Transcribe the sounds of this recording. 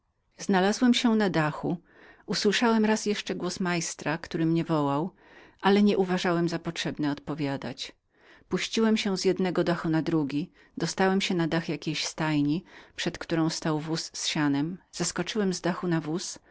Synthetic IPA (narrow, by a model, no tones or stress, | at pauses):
znalazwɛmɕɛnad̪axu | uswɘʂawɛmɾasjɛʂt͡ʂɛɡwɔsmajst̪ɾakt̪uɾɘmɲɛvɔwaw | ʔalɛɲɛʔuvaʐawɛmzapɔtʂɛbnɛɔt̪̚pɔvʲjad̪a̰t͡ɕ | puɕt͡ɕiwɛmɕɛzjɛd̪nɛɡɔd̪axunad̪ɾuɡʲi | d̪ɔst̪awɛmɕɛnad̪axjakʲejɕst̪ajɲipʂɛt̪kt̪uɾɔ̃w̃st̪awvusːɕanɛmz̥askɔt͡ʂɘwɛmzd̪axunavus